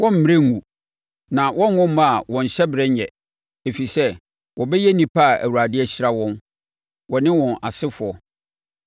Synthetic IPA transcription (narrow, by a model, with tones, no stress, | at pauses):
wɔ̃˦m̩˦mĩ˨ẽ˦ŋũ˨ | nã˨wɔ̃˦n˦wʊ̃˦m̩˦ma˦a˨wɔ̃˨n˨ɕɛ˦bɪ˨ɾɛ˦ɲɛ˨ | e˨fi˨sɛ˦ | wɔ˨bɛ˦jɛ˦nĩ˨pʰa˦˨æ̰˨wu˨ɾa˨dɪ˦ɛ˦ɕɪ˦ɾa˦wɔ̃˦n | wɔ˨nɪ̃˦wɔ̃˨na˨sɪ˦fʊ˨ɔ˨